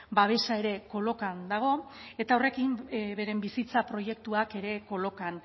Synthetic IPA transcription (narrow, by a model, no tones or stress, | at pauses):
baβ̞e̞sae̞ɾe̞ko̞lo̞kand̪aɣ̞o̞e̞t̪aure̞kimβe̞ɾe̞mbisit͡sapɾo̞je̞k̚t̪uake̞ɾe̞ko̞lo̞kan